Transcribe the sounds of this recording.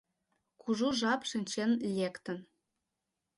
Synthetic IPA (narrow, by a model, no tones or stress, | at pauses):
kʰuʒuʒɑpʃɘ̆nʲt͡ɕenlʲekt̪ə̆n